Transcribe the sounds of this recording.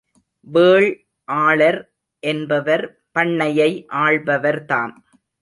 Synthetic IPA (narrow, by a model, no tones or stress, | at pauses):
ʋeːɭ | ʔaːɭɐɾ | ʔɛnbɐʋɐɾ | pɐɳːɐjɐɪʔaːɭbɐʋɐɾt̪aːn